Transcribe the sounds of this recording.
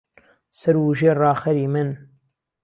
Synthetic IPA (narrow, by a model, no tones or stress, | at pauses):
sɐɾwuʒeːrɑːxɐɾiːmɨn